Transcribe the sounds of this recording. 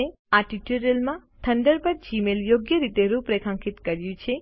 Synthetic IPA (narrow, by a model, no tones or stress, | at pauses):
e | aʈiʈuɾəlmãt̪ʰəɳɖəɾpəɾd͡ʒimeljoɡjəɾit̪eɾupɾekʰãŋkʰit̪kəɾjũt͡ʃʰe